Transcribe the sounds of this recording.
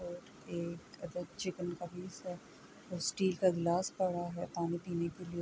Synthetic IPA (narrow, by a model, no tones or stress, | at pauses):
oːʈ | eːkɐd̪əd̪̚t͡ʃɪkənkabiːsɦɛ | ɔsʈiːlkaɡlaːspɐɽ̤aɦɛpaːnipiːnekeli